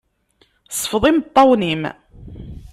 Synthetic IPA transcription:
sˤːə̥fðˤimt̪ˤːɑwnim

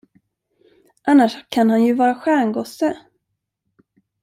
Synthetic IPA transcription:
ʔanːaʂkʰanhanjɵvɑːɾaɧæːɳɡɔsːə

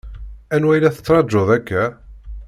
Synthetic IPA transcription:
ænwæjlæθə̥t͡sːɾˤɑd͡ʒːoðˤækːæ

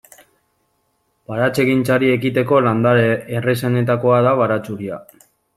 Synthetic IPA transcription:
baɾat͡se̞ɣint͡saɾie̞kit̪e̞ko̞land̪aɾeresene̞t̪ako̞aðaβaɾat͡suɾia̰

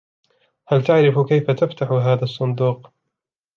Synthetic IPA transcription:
halt̪aʕɾɪfkajfat̪aft̪aħʊɦaːðasˤːʊnd̪uːq

